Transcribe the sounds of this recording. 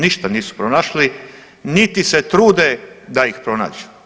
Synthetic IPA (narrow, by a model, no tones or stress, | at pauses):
niʃt̪aniːsu̥pɾonaːʃli | nit̪iset̪ɾuːd̪ed̪aixpɾo̞na̰ːd͡ʒu̥